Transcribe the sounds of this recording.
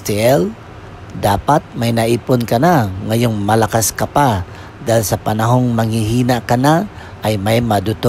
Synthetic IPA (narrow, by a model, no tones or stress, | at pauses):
t̪ɪʔɛl | d̪aːpat̪̚mɐjnɐʔiːponkɐnaŋɐjo̞ŋmɐlɐkaskɐpa | d̪ajlsɐpɐnɐɦo̞ŋmɐŋhiɦiːnakɐna | ʔɐjmajmɐd̪ʊt̪o